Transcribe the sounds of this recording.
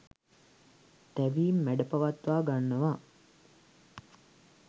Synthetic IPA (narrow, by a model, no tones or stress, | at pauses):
t̪æʋiːmːæɖɐpaʋat̪ʋaːɡanːəʋa